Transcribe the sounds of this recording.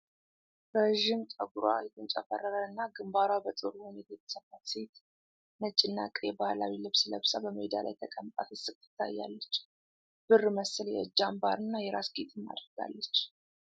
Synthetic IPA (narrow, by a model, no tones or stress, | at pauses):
ɾəʒɪmt̪ʼəɡuɾwa̰jɛt̪ʰɨnt͡ʃʼəfərːəɾəɨnːaɡɨmbaɾwabət̪ʼɨɾuwɔnet̪ʰajɛt̪ʰə̥səfat̪se̞t̪ | nət͡ʃʼːɪnːakʼjɛbalawilɨβsləβsabəməed̪a̰la̰jt̪ʰəkʼəmt̪ʼa̰fəsɨkt̪ʰːɨ̥t̪ʰːa̰jːa̰lːət͡ʃː | b̥ɨrməsɨljɛ̰ɨd͡ʒːambaɾɨnːajɛɾasɡet̪ʰʼɨnːa̰d̪ɾəɡa̰lːət͡ʃː